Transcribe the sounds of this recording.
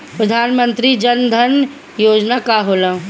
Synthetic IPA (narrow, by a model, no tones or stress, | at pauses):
pɾəd̪ʱaːnmə̃nt̪ɾid͡ʒɐnd̪ʱən | joːd͡ʒnakaɦoːlə̃